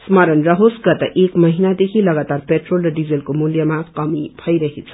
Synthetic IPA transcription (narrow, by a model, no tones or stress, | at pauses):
smʌɾənɾʌɦosɡʌt̪ɐʔekmʌɦinad̪ekʰilʌɡat̪aɾpeʈrolrʌɖid͡zelkomuljəmakʌmibʱʌjɾʌɦet͡sʰ